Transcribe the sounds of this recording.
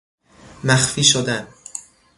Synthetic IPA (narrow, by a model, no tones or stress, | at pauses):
mæxfiːʃod̪æn